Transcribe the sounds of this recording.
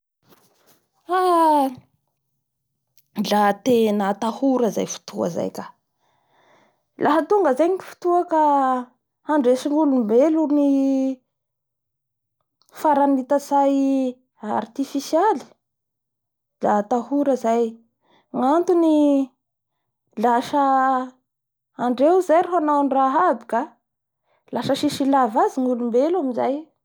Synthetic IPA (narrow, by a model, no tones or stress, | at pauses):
a | lat̪enət̪ahuɾəza̰jfu̥t̪ʰua̰za̰jkḁ | lʔaɦət̪uŋɡəzajɲifu̥t̪uaka | aɳɖ͡ʐesiŋɡulumbeluni | faɾanit̪asaj | a̰rt̪ifisiali̥ | d̪at̪ahuɾəzaj | ŋant̪uni | laʃə | aɳɖ͡ʐewzajɾaɦanawanraɦabi̥ka | laʃəʃiʃilavaziŋulumbelamizaj